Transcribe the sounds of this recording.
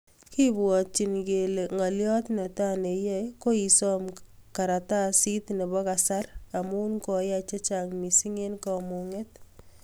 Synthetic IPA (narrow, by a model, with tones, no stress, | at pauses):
ki˦bwɔ˨t͡ʃi˨nɡe˨le˨ŋa˨ljɔ˦t̪na˨ta˦ne˨jɛ˦ko˦i˨sɔ˦mka˨ɾa˨ta˦si˦t̪ne˨bɔ˦ka˨sa˦ɾa˨mʊ˦nkɔ˨ja˦t͡ʃe˦t͡ʃa˨ŋmi˨si˦ŋe˦nkɔ˨mu˨ŋe˦t̪